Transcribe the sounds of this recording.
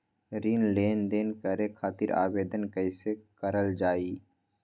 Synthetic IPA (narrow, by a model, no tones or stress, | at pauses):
ɾiːnleːnd̪eːnkəɾekʰaːt̪ɪɾa̰ːbeːd̪ənkəɪsekəɾəld͡ʒaːiː